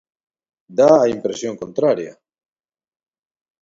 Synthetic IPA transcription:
d̪aːimpɾesjoŋkont̪ɾaɾja̰

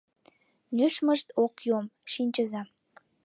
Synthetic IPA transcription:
nʲyʃməʃt̪okjomʃinʲt͡ɕəzɑ

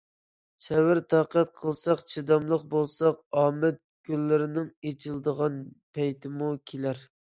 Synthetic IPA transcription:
ʃɛwɪɾt̪ʰɑːqæt̪̚qʰəlˠsɑqt͡ʃʰid̪ɑmlˠəqbolˠsɑqɑːmɛt̪̚ɡ̥ʲylːɪɾɪnɪŋet͡ʃʰɪlˠd̪əʁɑnpʰɛjt̪ʰɪmukʲʰelæɾ

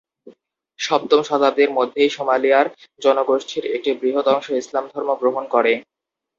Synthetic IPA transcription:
ʃɔb̚t̪omʃɔd̪ʱabd̪eɾmod̪ʱːejʃomalijaɾd͡ʑɔnoɡoʃʈʰiɾek̚ʈibɾiɦot̪ɔŋʃoislamd̪ʱɔɾmoɡɾoɦonkoɾe

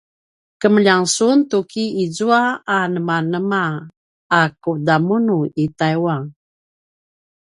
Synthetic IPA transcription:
kəmʎaŋsuntukiizuaanəmanəmaː | kudamunuitajwaŋ

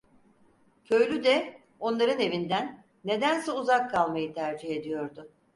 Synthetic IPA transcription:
cʰø̞jlʲyd̪ɛ | o̞nlˠaɾɯne̞vind̪ænː | e̞d̪ænsɛuzakʰːalˠmajɯt̪ʰæɾd͡ʒihe̞d̪ijo̞ɾd̪ʊ

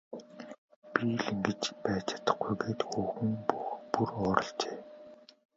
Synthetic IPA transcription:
piːɮĭŋɡĕt͡ɕpæːt͡ɕʰḁt̪ə̆χɡujɣeːt̪xuːxɘ̆ŋxpurɔːɾɞ̰̆ɬt͡ɕeː

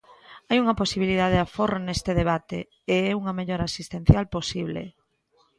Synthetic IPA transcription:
ajuŋɐposiβilið̞aðeðaforonest̪eðeβ̞at̪ḛː | ɛuŋɐmeʎoɾasist̪ẽn̟θjalposiβlḛ

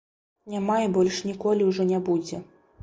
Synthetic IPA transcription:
nʲamaibɔlʲʂnʲikɔlʲiwʐɔnʲabud͡zʲɛ

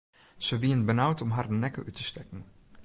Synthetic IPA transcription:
z̥əʋiənbənawtɔmɦaːrənɛkə̰ʔytə̥stɛkən̩

